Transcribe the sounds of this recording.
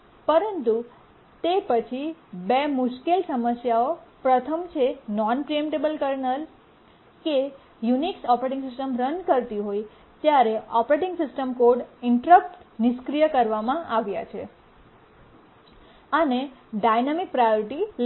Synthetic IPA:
pəɾənt̪u | t̪epət͡ʃʰibemʊʃkelsəməsjaopɾət̪ʰəmt͡ʃʰenɔnpɾiemʈebəlkəɾnəl | ke | juniksɔpɾeʈɪ̃ŋɡsɪsʈəmɾənkəɾt̪iɦoj | t̪jaɾeʔɔpɾeʈɪ̃ŋɡsɪsʈəmkoɖɪɳʈɾək̚ʈnɪʃkɾijəkəɾʋamãʔaʋja̰t͡ʃʰḛ | əneɖajnamik̚pɾajoɾʈil

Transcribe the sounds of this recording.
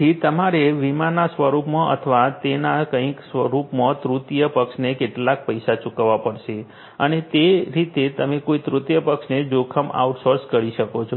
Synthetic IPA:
it̪əmaɾeʋimanasʋəɾupmãʔə̰t̪ʰəʋat̪enakə̃ĩksʋəɾupmãt̪ɾut̪jəpəkʃnekeʈlak̚pəjsat͡ʃukʋapəɽʃe | ənet̪eɾit̪et̪əmekoit̪ɾut̪jəpəkʃned͡ʒokʰəma̰wʈsoɾskəɽiʃəkot͡ʃʰo

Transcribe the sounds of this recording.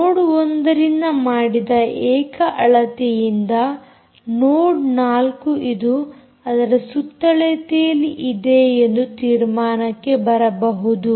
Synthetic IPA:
noːɽond̪ɐɾinːɐmaːɽid̪ɐɛːkɐʔɐɭɐt̪ɛjind̪ɐ | noːɖnaːlkuʔid̪u | ɐd̪ɐɾesut̪ːɐɭet̪ejɐliʔid̪e̞end̪ut̪iːɾmaːnɐkːe̞bɐɾɐbɐɦud̪u

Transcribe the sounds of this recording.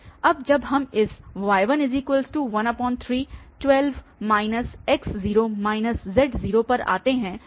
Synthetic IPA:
ɐb̚d͡ʒɐbɦɐmɪsʋaːɪʋənɪziːkwəlsʈuʋɐ̃nəpɔ̃ːnt̪ʰɾiːʈwɛlʋmaːɪnəsɛksziːɾomaːɪnəszɛʈziːɾopɐɾa̰ːt̪eɦɛ̃ː

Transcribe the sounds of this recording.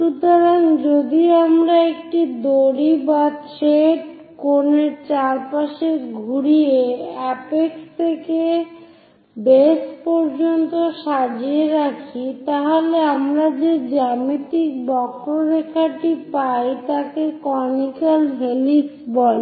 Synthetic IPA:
ʃut̪oɾaŋd͡ʑod̪iamɾaekʈid̪oɽibat̪ɾeʈ | koneɾt͡ɕaɾpaʃeɡʱuɾieɛpekt̪ʰeke | bespɔɾd͡ʑont̪oʃad͡ʑeɾakʰit̪aɦoleamɾad͡ʑed͡ʑamit̪ik̚bɔkɾoɾekʰaʈipajt̪akekɔnikalɦeliksbɔl

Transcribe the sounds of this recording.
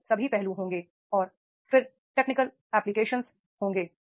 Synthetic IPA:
sɐbʱipɛɦluɦõːŋɡeː | ɔːɾ | fɪɾ | ʈeːknɪkəl | ɛːplɪkeːʃə̃ns | hõːŋɡeː

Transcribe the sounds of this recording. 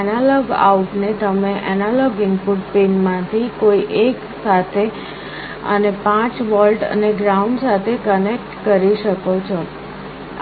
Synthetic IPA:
nalɔɡa̰uʈnet̪əmeʔɛnalɔɡɪnpuʈpinmãt̪ʰikoiʔek | sat̪ʰe | ə̰nepãt͡ʃʋɔlʈə̰neɡɾauɳɖsat̪ʰekənek̚ʈkəɾiʃəkot͡ʃʰo

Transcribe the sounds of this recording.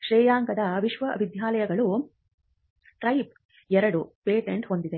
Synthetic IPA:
ʃɾɛːjaːŋkɐd̪ɐʋiʃʋɐɐbid̪jaːlɐjɐɡɐɭu | ʈɾɐjp̚ | ɛɾɐɽupeːʈeɳʈɦo̞nd̪id̪e̞

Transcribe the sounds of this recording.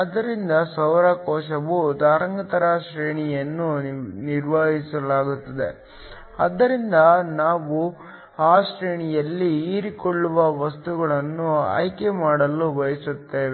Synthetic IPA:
ɐd̪ɐɾind̪ɐsɐʋɾɐkɔːʃɐʋud̪aːɾɐŋɡɐt̪ɐɾaʃɾeːɳijɐnːuniɾʋaːɦisɐlaːɡut̪ːɐd̪e̞̰ | ɐd̪ːɐɾind̪ɐnaːʋu | aːʃɾeːɳijɐlːiːɾikoɭːuʋɐʋɐst̪uɡɐɭɐnːuɐ̰jkemaːɽɐlːubɐjɐsut̪ːe̞ːʋe

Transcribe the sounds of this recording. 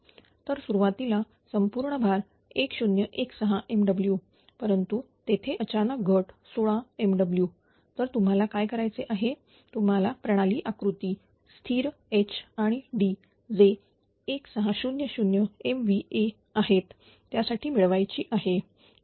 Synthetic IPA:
t̪əɾsuɾuʋat̪ila | səmpuɾɳəbʱaɾ | ekɕunjəʔeksəɦaʔemɖəblju | pəɾənt̪u | t̪et̪ʰeʔət͡ɕanək̚ɡʱəʈsoɭaemɖəblju | t̪əɾt̪um̤alakajkəɾajt͡seʔaɦe | t̪um̤alapɾəɽ̃aliːʔakɾut̪iː | st̪ʰiːɾet͡ɕʰaɽ̃iɖi | d͡zeː | ksəɦaɕunjəɕunjəemʋie | aɦet̪ː | jasaʈʰiːmiɭʋajt͡ɕiːʔaɦe

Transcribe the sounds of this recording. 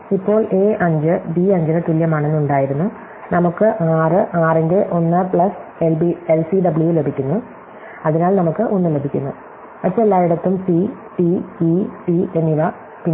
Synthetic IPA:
ipːo̞ːɭe̞ːʔɐɲd͡ʑɨbiɐɲd͡ʑinet̪iljɐmaːɳenːuɳɖaːjiɾunːu | nɐmukːɨʔaːrɨʔaːreŋɡeʔo̞nːɨpɭɐselbielsiɖɐbɨɭujle̞bʱikʲːunːu | ɐðinaːɭnɐmukːɨʔonːɨle̞bʱikʲːunːu | mɐʈt͡ɕːeelːaːjiɽɐt̪ːumsi | ʈiiʈienːiʋɐ | pin

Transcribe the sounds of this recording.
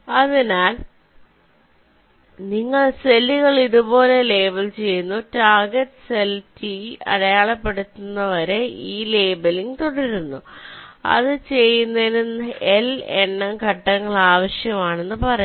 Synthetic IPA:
ɐðinaːl | niŋːɐɭselːiɣɐɭiðubo̞ːle̞le̞ːbɐlt͡ɕe̞jːunːutaːɡɐtːɨ̥seltiɐ̰ɽɐjaːɭɐpːe̞ɽut̪ːunːɐʋɐɾe̞iːle̞ːbɐliŋɡt̪oɽiɾunːuɐ̰ðɨt͡ɕe̞jːunːɐlunelenːɐkɐʈːɐŋːɐɭaːʋɐɕjɐmaːɳe̞nːɨpɐrɐj

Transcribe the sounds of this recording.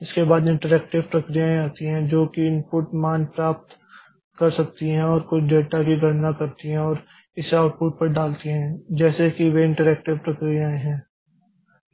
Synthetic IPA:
ɪskebaːd̪ɪ̃ɳʈəɾɛːk̚ʈɪʋpɾɐkɾijaẽaːt̪iɦɛ̃ːd͡ʒoːkiɪ̃npʊʈmaːnpɾaːp̚t̪ | kɐɾsɐk̚t̪iɦɛ̃ɔːɾkʊt͡ʃʰɖeːʈakiɡʱɐɾnakɐɾt̪iɦɛ̃ɔːɾ | ɪsaʊʈ̚pʊːʈ̚pɐɾɖaːlt̪iɦɛ̃ːd͡ʒɛːsekiʋeɪ̃ɳʈəɾɛːk̚ʈɪʋpɾɐkɾijaːẽɦɛ̃ː

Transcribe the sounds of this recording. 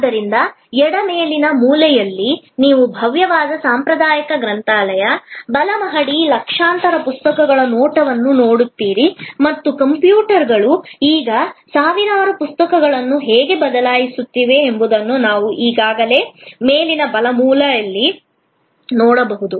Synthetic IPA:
d̪ːɐɾind̪ɐ | ɛɽɐmeːlinɐmuːlɛjɐlːiniːʋubʱɐʋjɐʋaːd̪ɐsaːmpɾɐd̪aːjɐkɐɡɾɐnt̪aːlɐjɐbɐlɐmɐɦɐɽilɐkʂaːnt̪ɐɾɐpust̪ɐkɐɡɐɭɐnoːʈɐʋɐnːuno̞ːɽut̪ːiːɾimɐt̪ːukɐmpjuːʈɐɾɡɐɭuiːɡɐsaːʋinaːɾupust̪ɐkɐɡɐɭɐnːuɦeːɡe̞bɐd̪ɐlaːjisut̪ːiːʋe̞ːmbud̪ɐnːunaːʋuʔiːɡaːɡɐle̞ːmeːlinɐbɐlɐmuːlɐjɐlːi | noːɽɐbɐɦud̪u

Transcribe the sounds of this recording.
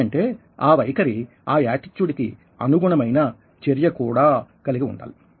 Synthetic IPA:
ɐɳʈe̞ː | aːʋɐjkɐɾi | aːjaːʈit͡ʃːuɽiki | ɐnuɡuɳɐmɐjnɐ | t͡ʃeɾjɐkuːɽaːkɐliɡiṵɳɖa̰ːl

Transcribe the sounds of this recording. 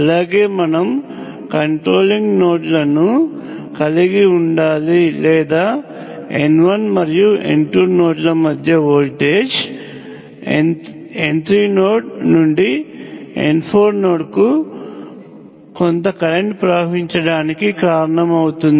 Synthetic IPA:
ɐlaːɡe̞ːmɐnɐm | kɐɳʈɾo̞ːliŋɡnoːʈlɐnu | kɐliɡiuɳɖaːlilɛːd̪aː | enʋɐnmɐɾijuḛɳʈuːɾno̞ːʈlɐmɐd̪ʱjɐʋoːlʈeːd͡ʒ | ent̪ɾiːnoːʈ̚nuɳɖi | ḛnpʰoːɾno̞ːʈku | kont̪ɐkɐɾe̞ɳʈpɾɐbʱɐʋiɲt͡ʃɐɽaːnikikaːɾɐɳɐmɐwut̪und̪i

